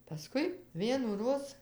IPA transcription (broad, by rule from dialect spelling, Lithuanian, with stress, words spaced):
pɐˈskʊɪ ʋʲiɛnuːˈroːs